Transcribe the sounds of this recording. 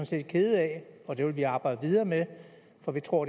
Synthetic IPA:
ɒnse̝̰ːd̥̚kʰe̝ð̞̩ˠɛɒ̽d̥e̝ʋe̝lʋiɑ̈ːb̥ɑ̈ɪ̰d̥əʋið̞ˠɐːme | fɒʋit͡sʰʁo̝ɐ̰ɾ̥

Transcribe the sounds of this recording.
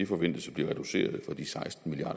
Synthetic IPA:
efɒ̽ʋen̰d̥əsəb̥liɐʁɛd̥use̝̰ːɐð̞̩ˠfɒ̽d̥isɑ̈ɪsd̥n̩milijɑ̰̈ː

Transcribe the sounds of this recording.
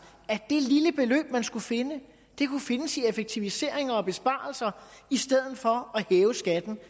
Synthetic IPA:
æd̥e̝liləb̥e̝lø̰ːb̥mænsɡ̥ufe̝nə | d̥e̝kʰufe̝nəsiefeɡ̥̚t͡sʰiʋise̝̰ɐ̰e̝ŋɐɒ̽b̥e̝sb̥ɑ̰̈ːlsɐisd̥eð̰ˠð̩ˠfɒ̽æhɛːʊəsɡ̥æd̥n̩

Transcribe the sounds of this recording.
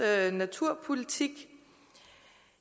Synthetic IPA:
næt͡sʰuɐ̰pʰolit͡sʰiɡ̥

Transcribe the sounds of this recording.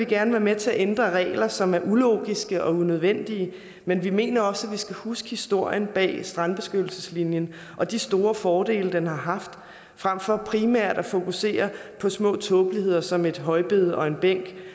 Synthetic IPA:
ʋeɡ̥æɐnəʋæɐmet͡sʰe̝æʔend̥ʁɐʁɛ̰ːɪlɐsɒ̽mæɐʔulo̝̰ːɡ̥isɡ̥əʔɒ̽unøð̞ˠʋen̰d̥iə | menʋime̝̰ːnɐɒ̽sæʋisɡ̥æhusɡ̥ə̥hisd̥o̝ɐ̰jənb̥ɛ̰ːsd̥ʁɑ̈nb̥e̝sɡ̥ød̥l̩səslinjən | ʔɒ̽d̥isd̥o̝ːɐfɒːd̥e̝̰ːləd̥enhɑ̈ɦɑ̈fd̥ | fʁam̰fɒ̽pʰʁimæɐ̰d̥æfo̝kuse̝̰ːɐpʰɒ̽smɔ̰̽ːt͡sʰɔ̽ːb̥lihe̝ð̞̰ˠɐsɒ̽me̝d̥ɦɒ̽ɪb̥e̝ð̞ˠɒ̽e̝nb̥eŋ̰ɡ̥

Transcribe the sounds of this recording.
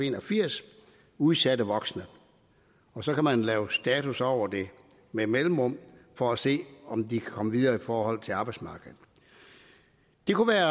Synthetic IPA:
e̝ːnɒfiɐ̰s | uðˠsæd̥əʋɒ̽ɡ̥snə | ɒ̽sɒ̽kæmænlɛːʊsd̥ɛːt͡sʰusɒʊ̰ɐd̥e̝ | memelm̩ʁɔ̽m̰fɒ̽æse̝̰ːɒ̽md̥ikʰækʰɒ̽məʋið̞ˠɐːifɒːhɒ̽l̰t͡sʰe̝lɑ̈ːb̥ɑ̈ɪ̥smɑ̈ːɡ̥əð̩ˠ | d̥e̝kʰuʋæːɐ

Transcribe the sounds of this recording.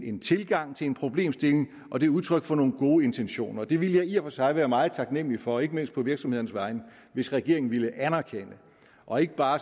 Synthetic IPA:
e̝nt͡sʰe̝lɡ̥ɑ̈ŋ̰t͡sʰe̝lenpʰʁo̝b̥le̝̰ːmsd̥e̝le̝ŋ | ʔɒ̽d̥e̝uð̞ˠt͡sʰʁœɡ̥fɒ̽no̝ːn̩ɡ̥o̝ːe̝nt͡sʰenɕo̝̰ːnɐd̥e̝ʋiləjɑ̈ɪiɐfɒ̽sɑ̈ɪʋæːɐmɑ̈ːð̩ˠt͡sʰɑ̈ɡ̥nem̰lifɒ̽e̝ɡ̥əme̝n̰sd̥̚pʰɒ̽ʋiɐɡ̥sɒ̽me̝ð̞ˠnəsʋɑ̈ɪnə | ʋe̝sʁɛɡ̥e̝ɐeŋn̩ʋiləʔænæɐkʰen̰ə | ʔɒ̽e̝ɡ̥əb̥ɑ̈ː

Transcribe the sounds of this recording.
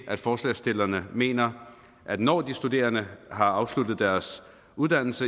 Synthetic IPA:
ʔæd̥fɒːslɛ̰sd̥e̝lɐnəme̝̰ːnɐ | ʔæd̥nɒ̰ːd̥isd̥ude̝̰ːɐnəɦɑ̈ɑ̈ʊslud̥ð̞̩ˠd̥æɐs | uðˠd̥æn̰l̩sə

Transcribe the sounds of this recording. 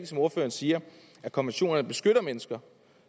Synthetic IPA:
ɡ̥̩sɒ̽mo̝ɐfø̰ːɐn̩siːɐ | ʔækʰɒ̽nʋenɕo̝̰ːnɐnəb̥e̝sɡ̥øɾ̥ɐmenəsɡ̥ɐ

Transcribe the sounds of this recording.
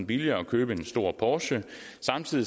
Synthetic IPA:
n̩b̥iliɐːɒ̽kʰøːb̥əe̝nsd̥o̝ɐ̰pʰɒːɕə | sɑ̈mt͡sʰiðˠi

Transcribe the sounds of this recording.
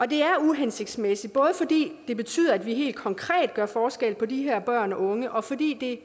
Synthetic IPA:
ɒ̽d̥e̝æɐuɦense̝ɡ̥d̥smesid̥̚b̥ɔ̽ːðˠəfɒ̽d̥ḭːd̥e̝b̥e̝t͡sʰy̰ːðˠɐæd̥ʋiɦe̝̰ːld̥̚kʰɒ̽ŋkʰʁɛ̰ːd̥̚ɡ̥ɶɐfɒːsɡ̥el̰pʰɒ̽d̥iɦeɐ̰b̥ɶɐ̰nɒ̽ʔɔ̽ŋəʔɒ̽fɒ̽d̥ḭːd̥e̝

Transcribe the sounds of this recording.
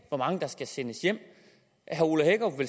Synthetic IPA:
ʋɒmɑ̈ŋəd̥ɑ̈sɡ̥æsenəsjem̰ | ɦæuləheɡ̥ɒʋe̝l

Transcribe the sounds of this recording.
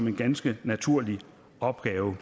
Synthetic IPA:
ɒ̽me̝nɡ̥ænsɡ̥ənæt͡sʰuɐ̰li | ɒ̽b̥ɡ̥ɛːʊ

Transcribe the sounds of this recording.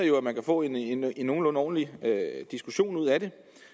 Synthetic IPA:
ɐjo̝æmænkʰæfɔ̰̽ːe̝neino̝ːn̩lɔ̽nɒ̰ːn̩liød̥isɡ̥uɕo̝̰ːnuð̞̰ˠæɾ̥e̝

